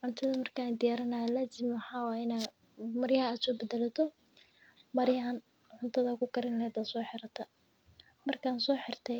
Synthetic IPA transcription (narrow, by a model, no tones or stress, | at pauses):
ʕʊnt̪ʰɐðɐmɐrkʰaːnd̪ɪjaːɾɐnaːlɐsɪmħɑːwɑːɪna | mɐɾjɐɦɐːd̪sɔːbɛd̪ɛlɐt̪ʰɔ | mɐɾjaːn | ʕʊnt̪ʰɐðɐkʰʊkʰɐɾɪnlɛːd̪asɔːħɪɾɐt̪ʰɐ | mɐrkʰaːnsɔːħɪrt̪ʰɛ